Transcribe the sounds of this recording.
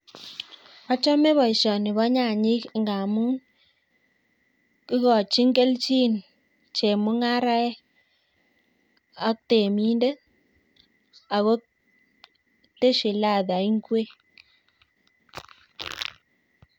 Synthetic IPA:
ɔ˦t͡ʃɔ˦me˦βɔ˨i˨ʃɔ˨nɪ˨βɔ˦ɲa˦˨ɲɪ˦kŋɡa˨mu˦ | ki˦ɣɔ˨t͡ʃi˦ŋɡe˦lt͡ʃi˦n˨ | t͡ʃe˨mʊ˦ŋa˦ɾa˦ɛ˦ | a˦kte˨mi˦nde˦ | a˨ɣo˦ | te˦ʃi˨la˦˨ða˨i˦ŋɡwe˦

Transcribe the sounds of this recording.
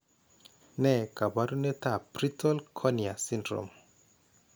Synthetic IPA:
nɛ˦˨ka˨ba˦ɾu˦ne˦t̪a˦˨b̥ɾi˦tʰɔ˦lkʰɔ˦nia˨si˦ndɾo̰˨m

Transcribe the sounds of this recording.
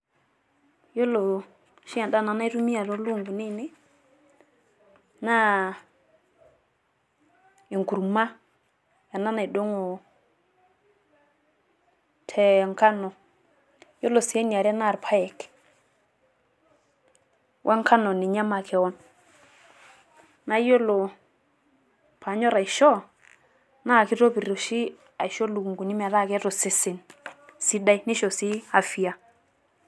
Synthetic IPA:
jo˦lo˨ | ʃi˦a˨da˦˨na˨na˦i˦tu˦mi˦a˨ɾo˦lu˦˨ŋɡu˨ni˦˨ne˦ | na˦ | i˨ŋku˨ɾma˦ | ja˨na˦na˨i˨do˦ŋo˨ | tʰe˨ŋka˦no˨ | jo˦lo˨si˨e˦ni˨a˨ɾa˦na˦˨ɾpʰa˦jɛ˨k | wʔa˦ŋkʰa˦nɔ˨nɪ˨ɲa˦ma˨kɛ˨ɔ˦n | na˦jo˦lo˨ | pʰa˨ɲɔ˦ɾa˨i˨ʃɔ˦ | na˦˨kɪ˦to˦pi˨ro˨ʃi˦ | a˨jʃɔ˦lu˨kŋɡu˨nɪ˦mɛ˨ða˦˨kɛ˦to˨sɪ˦sɪ˨nsi˦da˦i˦nɪ˦ʃɔ˨si˦a˨fi˨a˨

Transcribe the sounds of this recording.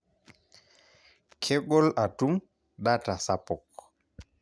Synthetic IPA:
kʰe˦ɡɔ˦la˨tu˦m | ɗa˦ta˨sa˦pɔ˨k

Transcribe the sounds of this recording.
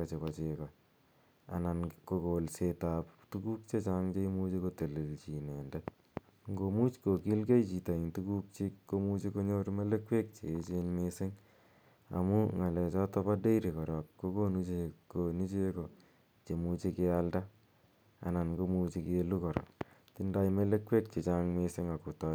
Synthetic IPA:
a˨t͡ʃe˨pa˨t͡ʃe˨kɔ˨ | a̰˨na˨nko˧ko˨lsetaptu˦ku˦k̚t͡ʃe˦t͡ʃa˦ŋt͡ʃe˦i˦mu˦t͡ʃeko˦te˨le˨lt͡ʃi˨nɛ˨ndɛ˦ | ŋɡo˨mu˦t͡ʃko˨ki˦lke˦jt͡ʃi˨ta˨i˨ntuku˦k̚t͡ʃi˦kko˦mu˦t͡ʃe˦ko˦ɲo˦ɾme˦le˦kwe˦k̚t͡ʃḛ˨e˦t͡ʃe˦nmesɪ˦ŋ | a̰˨mu˦ŋa˨lɛ˨t͡ʃɔ˦tɔ˦pa˦de˦iɾi˨kɔ˨ɾɔ˨kːko˦ko˦nu˦t͡ʃe˨ko˨ni˦t͡ʃe˦ko˨ | t͡ʃe˨mu˧t͡ʃe˧ke˧alda˦ | a̰˨na˨nɡo˦mu˦t͡ʃi˧ke˦lu˦kɔ˨ɾɔ̰˨ | ti˦nda˦jme˦le˦kwe˦k̚t͡ʃe˨t͡ʃa˦ŋmesɪ˦ŋa˨ko˨tɔ˦

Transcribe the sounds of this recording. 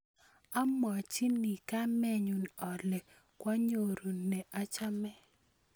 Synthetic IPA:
a˦mɔ˨t͡ʃi˦ni˨ka˦mɛ˨ɲu˨nɔ˨lɛ˨ | kwa˦ɲo˨ɾu˨nɛ˨ʔa˦t͡ʃa˦mɛ˦

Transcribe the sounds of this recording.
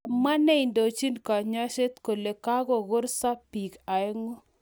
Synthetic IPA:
ma˦nɛ˦i˨ndo˨t͡ʃi˦nka˨ɲɔ˦ʃe˦t̪ko˨le˨ka˦ɡo˨ɣo˦ɾsa˦pi˨ka˨ɛ˦ŋo˦

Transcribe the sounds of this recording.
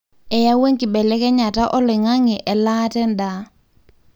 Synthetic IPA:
ɛ˨ja˦we˦ŋkɪ˨bɛ˨lɛ˦kɛ˦ɲa˨ta˦ʔɔ˦lɪ˨ŋa˦ŋɪ˨ʔɛ˨laː˦tɛ˦nda˦

